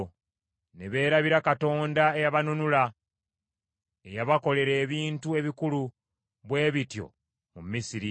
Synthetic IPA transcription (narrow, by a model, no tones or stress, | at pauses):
ne̞βe̞ːɾaβiɾakato̞ːndae̞jaβanunula | ejaβako̞le̞ɾe̞ːβiːntue̞βikulu | βwe̞ːβitjo̞̰ | mumːisiɾi